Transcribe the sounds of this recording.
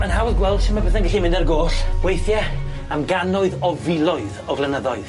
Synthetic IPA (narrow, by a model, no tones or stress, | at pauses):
manhawðɡwɛlˠd̥ʃɪmabəθɛnɡɪɬimɪ̃ndarɡoːɬb̥wejθjɛ | amɡanɔɨðɔvɪlˠɔɨðɔvlˠɛnəðɔɨð